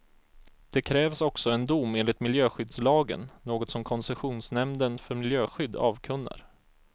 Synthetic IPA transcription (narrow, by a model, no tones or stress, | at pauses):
d̪̥ɛkʰɾɛːvsɔksɔɛnd̪ʊmːeːnlɪt̪mɪljøːɧʏd̪slɑːɡə̰nːoːɡɔt̪sɔmkʰɔnsɛɧuːnsnɛmd̪ənfœɾmɪljøːɧʏd̪ːɑːvkʰɵnːə̰ɾ